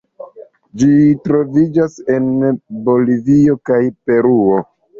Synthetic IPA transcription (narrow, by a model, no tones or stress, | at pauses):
d͡ʒitɾo̞vid͡ʒase̞nbo̞livio̞kajpe̞ɾuo